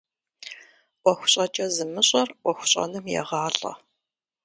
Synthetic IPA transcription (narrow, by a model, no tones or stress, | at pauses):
ʔʷɔxʷʊ̥ɕʼɐt͡ʃʼɐzɨmɨɕʼɐrʔʷɔxʷʊ̥ɕʼɐ̰nɨmjɛ̰ʁɑːɬʼɐ̰